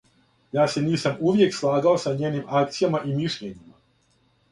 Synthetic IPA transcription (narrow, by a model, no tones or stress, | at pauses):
jaːseniːsamuʋje̞kslˠaːɡao̞saɲeːnimak̚t̪sijamaʔimiʃʎeɲima